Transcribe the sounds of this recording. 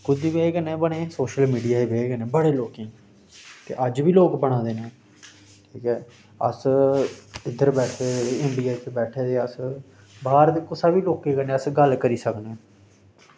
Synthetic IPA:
kʊd̪iːbeːɡənẽːbəɽ̃eːsoːʃəlmiːɖijaːibeːɡənẽːbəɽeːloːkẽː | t̪ḛːʔəd͡ʒʋiːloːkbəɽ̃ãːd̪eːnẽː | ʈʰiːkɛː | ə̰s | ɪd̪əɾbɛːʈʰeɛ̃ːmbiːeːt̪ebɛːʈʰeːd̪eːəs | baːɾd̪ekʊsaːbiːloːkeːkənẽːəsɡəlkəɾiːsəknẽː

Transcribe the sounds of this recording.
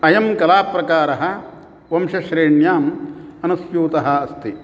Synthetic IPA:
ɐjɐmkɐlaːpɾɐkaːɾɐɦɐ̆ | ʋɐmʂɐʃɾeːɳjaːmɐnɐsjuːt̪ɐɦɐːst̪i

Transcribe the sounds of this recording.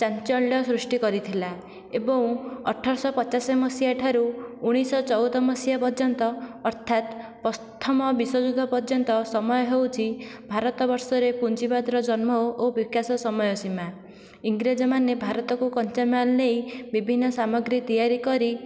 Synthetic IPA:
t͡ʃant͡ʃɔɭjɔsɾusʈikɔɾit̪ʰila | ebɔ̃w̃ɔ̰ʈʰːɔɾsɔpɔt͡ʃasemɔsiaʈʰaɾuːɽ̃isɔt͡ʃɔwd̪ɔmɔsjapɔd͡ʒɔnt̪ɔːɾt̪ʰat̪pɔst̪ʰɔmɔbiswɔd͡ʒud̪ʱɔpɔɾd͡ʒɔnt̪ɔsɔmɔjɔɦewt͡ʃʰibʱaɾɔt̪ɔbɔɾsɔɾepunt͡ʃibad̪ɾɔd͡ʒɔnmɔobikasɔsɔmɔjɔsima | iŋɡɾed͡ʒɔmanebʱaɾɔt̪ɔkukɔnt͡ʃamanlejbibʱinːɔsamɔɡɾit̪ijaɾikɔɾi

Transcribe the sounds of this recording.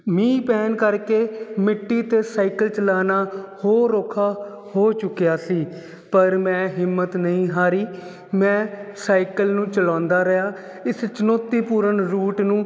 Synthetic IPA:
mĩːpɛːnkəɾkeːmɪʈːiːt̪eːsaːɪkəlt͡ʃəlaːnaːhoːɾoːkʰaː | hoːt͡ʃʊkːjaːsiː | pəɾmɛ̃ːɦɪmːət̪nəĩːɦaːɾiː | mɛ̃ːsaːɪkəlnũːt͡ʃəlãːnd̪aːɾəjaː | ɪst͡ʃənoːt̪iːpuːɾəɳɾuːʈnũː

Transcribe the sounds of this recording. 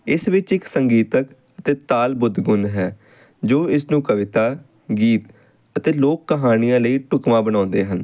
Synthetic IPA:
ɪsʋɪt͡ʃɪksəŋɡiːt̪ək | ət̪eːt̪aːlbʊd̪ɡʊnɦɛː | d͡ʒoːɪsnũːkəʋɪt̪aː | ɡiːt̪ | ət̪eːloːkːəɦaːnɪjãːləiːʈʊkʋãːbəɽ̃ãːnd̪eːɦən

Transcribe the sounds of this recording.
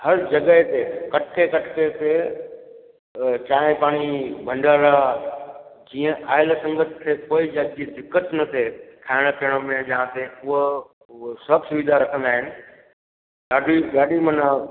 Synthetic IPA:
hɐɾd͡ʑɐɡəet̪ekɐʈʰkʰekɐʈʰket̪e | t͡ɕãːẽpaːɽ̃ibʱɐ̃ɳɖaːɾa | d͡ʑiːə̃ʔaːɪlsɐ̃ŋɡət̪ʰt̪ʰekoːid͡ʑaːd̪d͡ʑiːd̪ɪkːət̪nɐt̪ʰekʰaːɪɽ̃əpʰijəɽ̃əmẽd͡ʑɐɦãt̪eʊɦo | sʊɐksʊʋid̪ʱaɾɐkʰə̃nd̪aːɦɪnɪ̆ | ɠaːɖiɠaːɗimɐna

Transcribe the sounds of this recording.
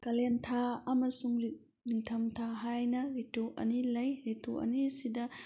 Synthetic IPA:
kɐlentʰaɐmɐsuŋɾi | niŋtʰɐmtʰaɦajnɐɾituʔɐ̰nilɐjɾituʔɐ̰nisidɐ

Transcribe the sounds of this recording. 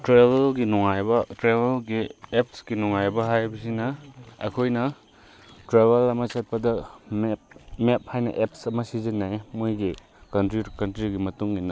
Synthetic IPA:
tɾebelɡinuŋajbɐtɾeβelɡiep̚sɡinuŋajbɐɦajbɐs̬inɐɐ̰kʰojnɐ | tɾeβelɐmɐsɐt̚pɐdɐmep̚mep̚hajnɐ̰ʔepsɐmɐsizinːajmojɡi | kɐntɾiɾkɐntɾiɡimɐtuŋninɐ

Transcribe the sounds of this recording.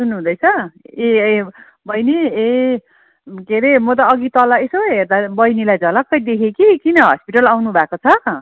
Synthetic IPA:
sunːuɦũd̪ʌjt͡sʰʌe | bʱʌjnee | keɾemot̪̬ʌːɡit̪ʌlʌesoɦert̪abʌjnilajd͡zʱʌlʌkːʌjd̪ekʰekikinʌɦʌ̰spiʈʌlawnubʱakot͡sʰʌ

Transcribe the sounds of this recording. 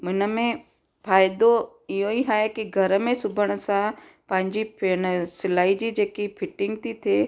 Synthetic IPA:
mʊɪnə̆mẽ | faːɪd̪o | ɪɦoiɦaːekiɡʱɐɾəmẽsʊbʱəɽ̃əsã | pɐ̃ɦɪ̃ɲd͡ʑipɪñsɪlaːid͡ʑiːd͡ʑeːkipʰɪʈɪ̃ŋɡ̚t̪ʰit̪ʰeː

